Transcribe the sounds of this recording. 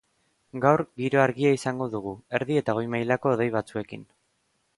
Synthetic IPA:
ɡawɾɣiɾo̞aɾɣiaisaŋɡo̞ðuɣ̞ue̞ɾðie̞t̪aɣo̞jmajlako̞ːð̞e̞jβ̞at͡sue̞kḭn

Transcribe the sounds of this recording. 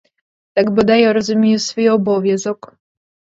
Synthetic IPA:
t̪aɡbɔd̪ajɛɾɔzumʲijusfujɔbɔvʲjɛzɔk

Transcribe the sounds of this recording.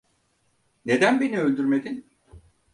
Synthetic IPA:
ne̞d̪ænbeniølʲd̪yɾme̞d̪in

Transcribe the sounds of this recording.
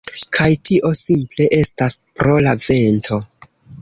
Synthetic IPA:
kʰajtiʔo̞simple̞ʔe̞staspɾo̞lave̞nto̞

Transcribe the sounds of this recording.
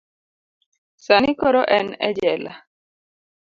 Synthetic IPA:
sanikoɾɔʔɛnɛ̰d͡ʒɛla̰

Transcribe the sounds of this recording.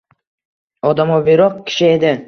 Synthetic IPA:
ɒd̪amɒbiɾɒq̚kʲʰɪ̥ʃɪed̪ɪ

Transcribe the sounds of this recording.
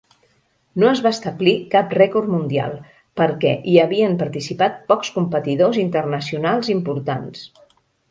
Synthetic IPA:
noəzβast̪əblikaprɛkoɾmund̪ia̰lˠ | pəɾkɛ̰ʔiəβiəmpəɾt̪isipat̪̚pɔkskumpət̪iðozint̪ərnəsiunalˠzimpuɾt̪a̰ns

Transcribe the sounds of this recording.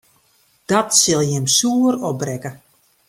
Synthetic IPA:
d̥ɔtsɪlˠjɪmsuːəɾɔbrɛkə

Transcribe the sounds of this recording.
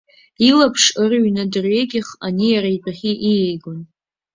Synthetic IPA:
ilapʰʂɨrɥnɨdɨrɥeɡʲɪχanijaɾaibʰaχʲiʔijejɡon

